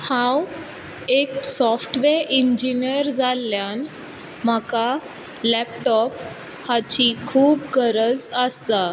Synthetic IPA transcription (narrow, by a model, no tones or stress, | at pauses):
hãw | eksɔfʈʋeɾʔiɲd͡ʑinjəɾd͡zalːjan | m̤aka | lɛp̚ʈɔp̚ | hat͡ɕikʰuːp̚ɡəɾəd͡zəst̪a